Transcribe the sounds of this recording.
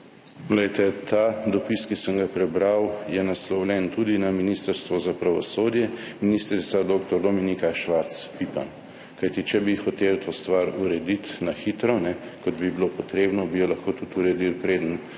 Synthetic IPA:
ɡlɛjt̪ɛt̪aːd̪ɔpiskisəŋɡapɾɛbɾawjɛnaslɔwlʲɛnt̪ud̪inaminist̪əɾst̪ʋɔzapɾaʋɔsoːd̪jɛminist̪ɾit̪sad̪oːk̚t̪ɔɾd̪ɔminikaʃʋaɾt̪spipa̰m | kajt̪it͡ʃɛbixɔt̪elt̪ʰost̪ʋaɾuɾɛd̪it̪naxit̪ɾɔnɛkɔd̪bibilopɔt̪ɾeːbnɔbijɔlɐxkoːt̪ut̪uɾɛd̪ilpɾeːd̪ən

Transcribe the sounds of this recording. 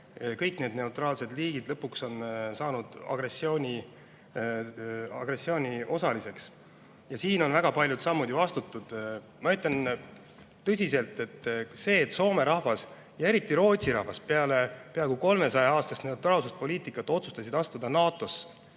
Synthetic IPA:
kɤjkne̞ːd̪ne̞ut̪rɑːlse̞d̪liːɡ̥id̪̥lɤpːˑukso̞nsɑːnud̪̥ɑ̰ɡ̥ɾe̞sːio̞ːnʲi | ɑ̰ɡ̥re̞sːio̞ːnʲio̞sɑlise̞ks | jɑsiːno̞nvæɡ̥ɑpɑlʲjud̪̥sɑmːud̪ʲiɑst̪ut̪ːˑud̪̥ | mɑet̪ˑːɑn | t̪ɤsʲise̞lt̪ːˑe̞t̪ːse̞ːt̪ːso̞ːme̞ɾɑhvɑs | jɑe̞ɾit̪ːˑiɾo̞ːt̪ʲsiɾɑ̰hvɑspeɑle̞peɑkuko̞lme̞sɑjɑɑːst̪ɑst̪ne̞ut̪ɾɑːlsust̪̚po̞lʲiːt̪ˑikːˑɑt̪ːˑo̞t̪su̥st̪ɑsid̪ɑst̪ud̪̥ɑnɑːt̪ːˑo̞s

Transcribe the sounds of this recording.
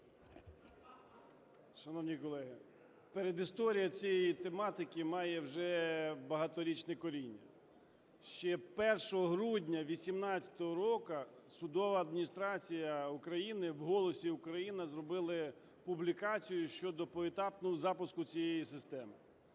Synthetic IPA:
ʃɐnɔwnʲikɔlˠɛɦɪ | peɾed̪ist̪ɔɾʲijɐt͡sʲijejit̪emɑt̪ɪkɪmɑjɛwʒɛbɐɦɑt̪ɔɾʲit͡ʃnɛkɔɾʲinʲːɐ̰ | ʃt͡ʃɛpɛrʃɔɦɔɦɾudʲnʲɐʋʲisʲimnɑt͡sʲɐ̥t̪ɔɦɔɾɔkɐ | sʊd̪ɔʋɐːd̪̚mʲinʲist̪ɾɑt͡sʲijɐʊkɾɐjinɪwɦɔlˠɔsʲiʊkɾɐjinɐzrɔbɪlˠɐ | pʊblʲikɑt͡sʲijʊʃt͡ʃɔd̪ɔpɔet̪ɑpnɔɦɔzɑpʊskʊt͡sʲijejisɪst̪ɛmɪ

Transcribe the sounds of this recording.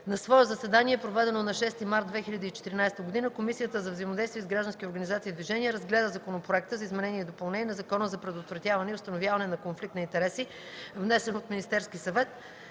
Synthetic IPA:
nɐsvɔɛzɐsɛd̪aniɛpɾovɛd̪ɛnonɐʃɛst̪imaɾt̪d̪d̪vɛxilʲɐd̪iːt͡ʃɛt̪iɾinajst̪əɡod̪inəkomisijət̪əzɐvzəimod̪ɛjst̪viːzɡɾaʒd̪ənskʲioɾɡɐnizat̪siːd̪viʒɛniəɾɐzɡlɛd̪əzɐkonopɾoɛk̚t̪əzɐizmɛnɛniɛid̪opɐlˠnɛnʲɛnɐzɐkɔnəzɐpɾɛd̪ot̪vɾɐt̪javɐnɛiʊst̪ɐnovjavɐnɛnɐkonflik̚t̪ɐint̪ɛɾɛsi | vnɛsɛnot̪minist̪ɛɾskʲisɐvɛt̪

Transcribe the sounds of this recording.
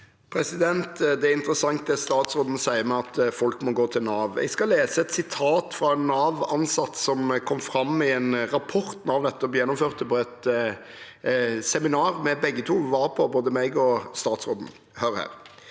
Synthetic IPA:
pʰɾɛsɪd̪ɛnt̪d̪ɛæɾɪnt̪əɾəsɑŋt̪̚d̪ɛst̪ɑːt̪sʁoːd̪n̩sæɪəmɛɑt̪fɔlkmɔɡoːt̪ʰɪlnɑːʋɛ̰ɪɡskɑleːsəɛt̪sɪt̪ʰɑːt̪fɾɑɛnːɑːʋɑnsɑt̪ːsɔmkʰɔmfɾɑmːɪɛnɾɑpʰɔʁt̪n̩ɑʋd̪ɛt̪ːəɔbjɛnːɔmføːʁt̪əpɔɛt̪ | sɛmɪnɑːʁmɛbɛɡːət̪ʰuːʋɑːɾpʰɔboːd̪əmɛɡɔst̪ɑːt̪sʁoːd̪n̩ | høʁhæ̰ːɾ

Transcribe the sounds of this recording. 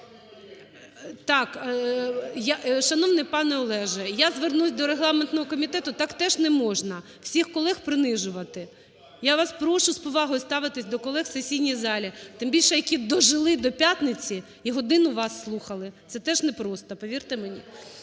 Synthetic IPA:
t̪ɑk | jaʃɐnɔʋnɪpɑnɛɔlˠɛʒɛjazʋernusʲd̪ɔɾeɦlˠɑment̪nɔɦɔkɔmʲit̪ɛt̪ʊt̪ɑkt̪ɛʒnɛmɔʒnɐ | w̥sʲixkɔlˠɛxpɾɪnɪʒʊʋɐt̪ɪ | jaʋɑspɾɔʃʊspɔʋɑɦɔjʊst̪ɑʋɪt̪ɪsʲd̪ɔkɔlˠɛxsesʲijnʲijzɑlʲit̪ɪmbʲilʲʃɛjɐkʲid̪ɔʒɪlˠɪd̪ɔpʲjat̪nɪt͡sʲi | iɦɔd̪ɪnʊʋɑsːlˠuxɐlˠɪt̪sɛt̪ɛʒnɛpɾɔst̪ɐpɔʋʲirt̪ɪmenʲḭ

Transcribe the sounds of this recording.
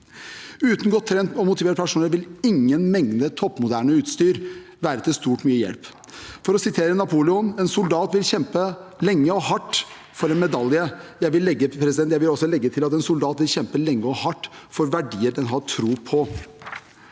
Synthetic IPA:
ʉːt̪n̩ɡɔːt̪ʰːɾɛnt̪ɔmʊt̪ɪʋeːɾəpʰæʂuːnəɾʋɪlɪŋːənmɛŋd̪ət̪ʰɔpːmʊd̪æːɳəʉːt̪st̪yːɾ | ʋæːɾət̪ɪlst̪uːʈmyːəjɛ̰lp | fɔɾɔsɪt̪ʰeːɾənɑpʰuːlɛʊnɛnsʊld̪ɑːt̪ʋɪlçɛmpəlɛŋːəɔhɑʈː | fɔɾɛnmɛd̪ɑljəjæɪʋɪlːɛɡːəpʰɾɛs̬ɪd̪ɛnjæɪʋɪlɔsːɔlɛɡːət̪ʰɪlɑt̪ɛnsʊld̪ɑːt̪ʋɪlɕɛmpəlɛŋːəɔhɑʈːfɔɾʋæɖiːəɖɛnɦɑʈʰɾuːpʰɔ

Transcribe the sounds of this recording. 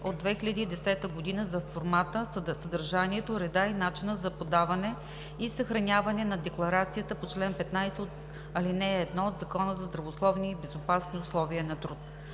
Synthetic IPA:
od̪ːvɛxilʲɐd̪iːd̪ɛsɛt̪əɡod̪inəzɐfoɾmat̪əsɐd̪ɐɾʒaniɛt̪oɾɛd̪ainat͡ʃinəzɐpod̪avɐnɛ | isɐxɾɐnʲavɐnɛnɐd̪ɛklˠɐɾat̪sijət̪əpot͡ʃlɛnpɛt̪najsɛot̪ | ɐlinɛːd̪nɔod̪zɐkɔnəzɐzd̪ɾɐvoslˠɔvniːbɛzopasniʊslˠɔviənɐt̪ɾut̪

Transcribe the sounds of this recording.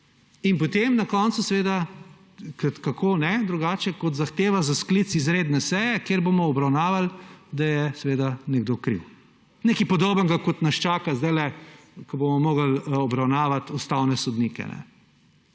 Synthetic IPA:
inpɔt̪emnakɔnt̪susɛʋeːd̪a | kət̪kakʰoːnɛd̪ɾuɡaːt͡ʃɛkɔt̪zaxt̪eːʋazasklit̪sizɾeːd̪nɛsɛjɛkeːɾbomɔːbɾawnaːʋald̪ajɛsɛʋeːd̪anɛɡd̪okɾḭw | nekipɔd̪oːbəŋɡakɔt̪nɐst͡ʃaːkazd̪ajlɛ | kɐbomɔmoːɡəlɔbɾawnaːʋat̪ust̪awnɛsɔd̪nikɛ̰nɛ̰

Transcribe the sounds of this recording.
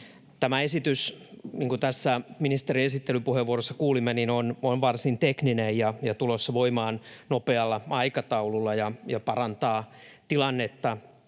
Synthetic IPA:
t̪æmæesit̪ysniːŋkut̪æsːæminist̪eriesit̪ːelypuheʋːuorosːɑ̥kuːlimːeninononʋɑrsint̪ekninejjɑjɑt̪ulosːɑʋoimɑːnnopeɑlːɑɑikɑt̪ɑululːɑjɑjɑpɑrɑnt̪ɑːt̪ilɑnːet̪ːɑ

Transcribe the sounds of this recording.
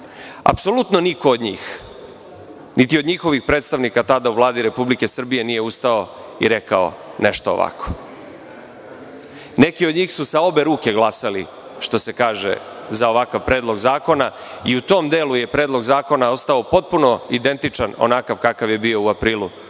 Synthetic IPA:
a̰pso̞lˠut̪no̞niko̞ːd̪ɲiːx | nit̪iod̪ɲixo̞ʋixpɾet̪st̪aʋnikat̪ad̪auʋlˠaːd̪iɾe̞publike̞sr̩bije̞nije̞ust̪ao | ḭɾekao̰neʃt̪oo̰ʋa̰kʰo̥ | ne̞kio̞d̪ɲiːxsusao̞be̞ɾuːke̞ɡlˠasali | ʃt̪o̞se̞kaːʒḛ | zaoʋakaʋpɾe̞ːd̪lˠo̞ɡzaːko̞na | iut̪o̞ːmd̪eːluje̞pɾe̞ːd̪lˠo̞ɡzaːko̞nao̞st̪aopo̞t̪̚puno̞id̪e̞nt̪it͡ʃano̰nakaʋkakaʋje̞bio̞uapɾiːlṵ

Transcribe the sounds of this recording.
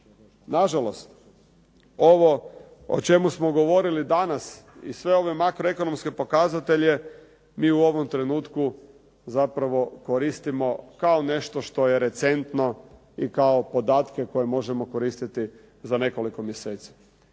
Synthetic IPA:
naʒalo̞st̪ | o̞ʋo̞ | o̰t͡ʃe̞musmo̞ɡo̞ʋo̞ɾilid̪anasḭsʋe̞o̞ʋemakɾoe̞ko̞no̞mskepo̞kazat̪e̞ʎe | miːuo̞ʋo̞mt̪ɾe̞nuːt̪ku | zapɾaʋo̞koɾist̪imo̞kaone̞ʃt̪oʃt̪o̞jeɾe̞t̪se̞nt̪no̞ | ikaopo̞d̪aːt̪keko̞jemo̞ʒemoko̞ɾiːst̪it̪i | zane̞ko̞liko̞mjeseːt̪si̥

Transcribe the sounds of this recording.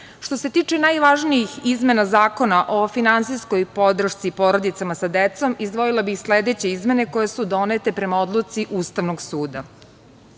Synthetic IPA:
ʃt̪o̞se̞t̪iːt͡ʂe̞najʋaʒniixizme̞nazaːko̞naʔo̞finansisko̞jpo̞d̪ɾ̩ʃt̪sipo̞ɾo̞d̪it̪samasad̪et̪so̞mizd̪ʋoilˠabixsled̪et͡ɕe̞izme̞neko̞jesud̪o̞net̪e̞pɾe̞mao̞d̪lˠut̪siʔuːst̪aʋno̞ɡsuːd̪a

